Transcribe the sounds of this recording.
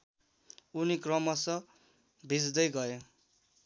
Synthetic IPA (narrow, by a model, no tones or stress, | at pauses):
unikrʌmʌsʌ | bʱid͡zd̪ʌjɡʌe